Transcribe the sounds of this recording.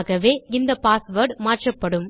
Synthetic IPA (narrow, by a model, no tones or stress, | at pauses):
ɣɐʋeːɪnd̪ɐpaːsʋɐɾɖmaːʈrɐpːɐɽɯm